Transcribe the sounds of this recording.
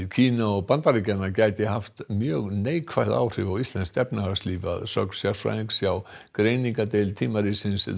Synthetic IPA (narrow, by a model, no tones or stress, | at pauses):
cʰiːnaɔɣpant̪aɾicanːacaːjt̪ɪɦaft̪mjœːɣneːjkʰvajða̰wr̥ɪvawist̪ɛnst̪ɛpnaasliːva̰ðsœksjawfɾa̰ŋksjaw | kɾeːjniŋkat̪ɪlt̪ʰiːmaɾisɪns